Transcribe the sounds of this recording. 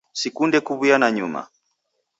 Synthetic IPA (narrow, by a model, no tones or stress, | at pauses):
sikundɛkuβujanaɲuma̰